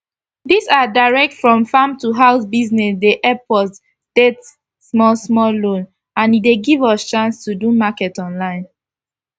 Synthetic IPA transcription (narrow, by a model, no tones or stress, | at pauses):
disadaɪɹɛk̚tfɹɔ̃mfãmtuɦaʊsbiznɛsdeʔɛpʰɔs | stet | smɔlsmɔllõn | ãnideɡivɔst͡ʃãnstudumakɛtɔ̃nlãɪ̃n